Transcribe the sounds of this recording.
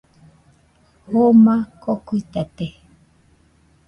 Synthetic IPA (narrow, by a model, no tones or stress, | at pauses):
homakokuit̪at̪e